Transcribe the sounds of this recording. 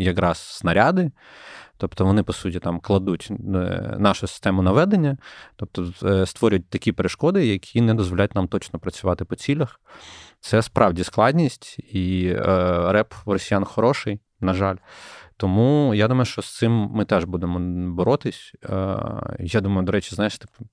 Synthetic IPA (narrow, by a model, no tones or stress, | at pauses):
jɐkɾɑsːnɐɾʲad̪ɪ | t̪ɔpt̪ɔʋɔnɪpɔsutʲit̪ɑmklˠɐd̪utʲ | nɑʃʊsɪ̥st̪ɛmʊnɐʋɛd̪enʲːɐt̪ɔp̚t̪ɔst̪ʋɔɾʲjʊt̚ʲt̪ɐkʲipeɾɪʃkɔd̪ɪjɐkʲʰinɛd̪ɔzʋɔlʲajʊtʲnɑmt̪ɔt͡ʃnɔpɾɐt͡sʲʊʋɑt̪ɪpɔt͡sʲilʲɐx | t̪sɛspɾʔɑwdʲisklˠɑdʲnʲisʲtʲi | ɾɛprɔsʲijanxɔɾɔʃɪj | nɐʒɑlʲt̪ɔmujad̪umɐjʊʃt͡ʃɔst̪sɪmːɪt̪ɛʒbud̪emɔbɔɾɔt̪ɪsʲ | jad̪umɐjʊd̪ɔɾɛt͡ʃi̥znajeʃt̪ɪ̥p